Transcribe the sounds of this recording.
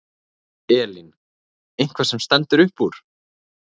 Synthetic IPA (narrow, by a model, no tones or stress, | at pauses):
ɛːlin | ejŋ̥kʰvasɛmst̪ɛnt̪ʏɾʏhpuɾ̥